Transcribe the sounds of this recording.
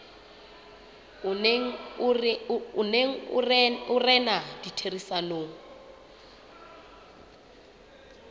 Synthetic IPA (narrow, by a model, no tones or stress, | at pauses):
ʊneŋ̩ | ʊneŋ̩ʊ̰ʊrɛnad̥itʰerisanoŋ̩